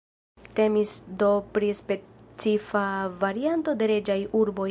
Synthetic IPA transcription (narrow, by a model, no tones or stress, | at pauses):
te̞misdo̞pɾispe̞t͡sifavaɾianto̞de̞ɾe̞d͡ʒajuɾbo̞